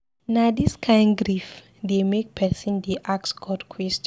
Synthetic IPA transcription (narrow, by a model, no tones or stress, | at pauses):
nadiskʰãɪ̃ndɡɾif | demek̚pʰɛsɔ̃ndeʔaksɡʰɔdkʰwɛst͡ʃ